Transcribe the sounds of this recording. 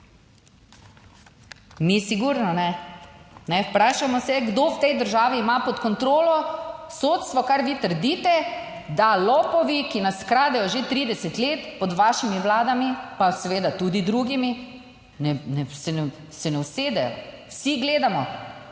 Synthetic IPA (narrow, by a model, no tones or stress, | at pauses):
misiɡuɾnɔnɛ | nɛpɾaːʃamɔsɛɡd̪owt̪ɛjd̪əɾʒaːʋiːmapɔt̪kɔnt̪ɾoːlɔsot̪st̪ʋɔkaɾʋit̪əɾd̪iːt̪ɛ | d̪alɔːpɔʋikinaskɾaːd̪ɛjɔʒet̪ɾiːd̪ɛsɛt̪leːt̪pɔd̪ʋaːʃimiʋlaːd̪amipasɛʋeːd̪at̪ud̪id̪ɾuɡimi | nɛnɛsɛnɛ | sɛnɛwseːd̪ɛjɔ̰wsiɡleːd̪amɔ